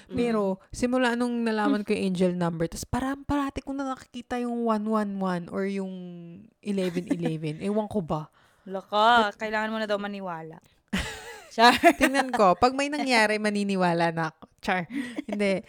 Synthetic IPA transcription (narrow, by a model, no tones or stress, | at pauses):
pɛːɾo̞sɪmʊlaːʔnʊŋnɐlaːmɐnkojʊŋʔɛnd͡ʒɛlnɐmbɛɹt̪ɐspɐɾɐmpɐɾaːt̪ɪkoŋnɐŋɐkɪ̥kiːt̪ɐjʊŋwanwanwanʔoɹjʊŋʔɪlɛvɛnʔɪlɛvɛnʔɛwɐŋkoba | lɐkakɐʔɪlaːŋɐnmonɐd̪ɐwmɐnɪwaːlɐ̰ʔ | t͡ʃat̪ɪŋnɐnko̞pɐɡ̚mɐjnɐŋjaːɾɛmɐninɪwaːlɐʔnɐk̚ot͡ʃaɹhɪnnd̪ɛ